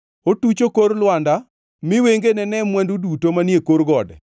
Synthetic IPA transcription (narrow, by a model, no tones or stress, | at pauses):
otut͡ʃokoɾlwanda | mɪweŋɡenɛnɛmwɛndudutomanjekoɾɡɔdɛ